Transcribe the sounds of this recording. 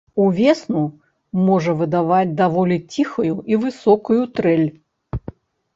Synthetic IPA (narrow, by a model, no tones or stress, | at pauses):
uvʲeɛsnu | mɔʐɐvɨd̪avad͡zʲd̪avɔlʲit͡sʲixɐjuʔivɨsɔkujut̪ɾɛlʲ